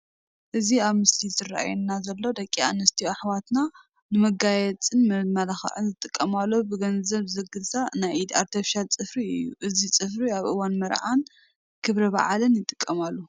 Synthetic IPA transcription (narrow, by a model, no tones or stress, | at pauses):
ʔɨziaβmɨslizɨrːa̰ʔa̰jɛnːazɐlːo̞d̪ɐkʼːia̰nɐst̪ʰiaħwat̪na | nɨmɐɡajɛt͡sʼɨnmmɐlaxɐ̰ʕɨnzɨt̪ʼɨkʼːɐmalːobɨɡɐnzɐβzɐɡɨlzʼanajid̪aɾt̪ʰɐfʃalt͡sʼɨfɾiɨjːuʔɨzit͡sʼɨfɾiaβʔɨwanmɐɾʕan | kʰɨβɾɐβa̰ʕalɨnjɪt̪ʼɨ̥kʼːɐmalːu